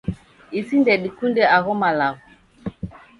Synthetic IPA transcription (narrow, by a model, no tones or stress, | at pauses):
isindɛɗikundɛaɣɔmalaɣɔ